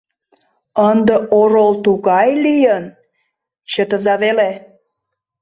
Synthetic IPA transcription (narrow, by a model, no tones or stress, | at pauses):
ənd̪əʔoɾolt̪uɣɑjlijən | t͡ɕət̪əzɑβele